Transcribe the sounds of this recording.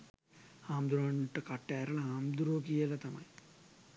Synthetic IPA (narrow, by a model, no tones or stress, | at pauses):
haːmd̪uɾaːɳuʈːɐkɐʈːeːɾɐɭɐɦaːmd̪uɾoːkijɐlɐt̪ɐmɐ̰j